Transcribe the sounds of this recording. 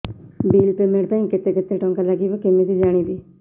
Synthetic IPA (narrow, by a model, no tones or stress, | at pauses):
biːlpeːmẽʈ̚t̪ãːĩːkɪt̪eːkɪt̪eːʈɔ̃ːŋkaːləɡiːʋekɪmẽːd̪iːd͡ʒaːɽ̃iːd̪iː